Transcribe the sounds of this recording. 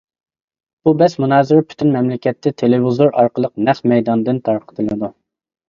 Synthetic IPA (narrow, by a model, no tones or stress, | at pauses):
b̥ubɛsmunɑːzɪɾɪpʰy̥t̪ʰynmɛmlɪkʲɛt̪ʰːɛt̪ʰelɪvizoɾɑɾqəlˠəq̚nɛχmɛjd̪ɑnd̪ɨnt̪ʰɑɾqʰə̥t̪ʰɨlˠɨd̪u